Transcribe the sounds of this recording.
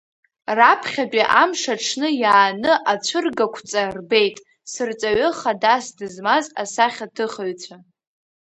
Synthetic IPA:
rapʰχʲapʼiʔamʂaʈ͡ʂʰnɨjaːnɨʔat͡ɕʷʰɨrɡakʷʰt͡sʼarbe̞jtʼ | sɨrt͡sʼaɥɨχadasdɨzmazasaχʲatʰɨχaɥt͡ɕʷʰa

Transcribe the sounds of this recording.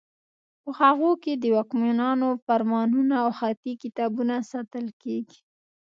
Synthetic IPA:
pəhaɣoked̪əwɑkmenɑnofaɾmɑnunaːwxat̪ikɪt̪ɑbunasat̪əlkeɡi̥

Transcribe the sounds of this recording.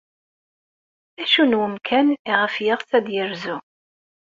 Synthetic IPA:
æʃunwəmkʰæniʁəfjəʁt͡sæd̪jəɾzu

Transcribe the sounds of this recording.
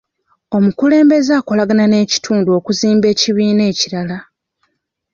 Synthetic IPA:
o̞mukule̞ːmbe̞zaːko̞laɡanane̞ːci̥tʰuːnduo̞kuziːmbe̞ːciβiːne̞ːciɾala

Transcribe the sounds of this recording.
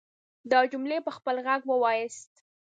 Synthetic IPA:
d̪əd͡ʒumlepəxpəlɣaɡwəwɑjɪst̪

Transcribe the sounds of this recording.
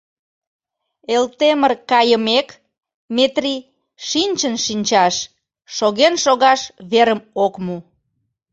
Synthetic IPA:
elt̪emərkɑjəmek | met̪ri | ʃinʲt͡ɕənʃinʲt͡ɕɑʃː | oɣenʃoɣɑʃβeɾəmokmu

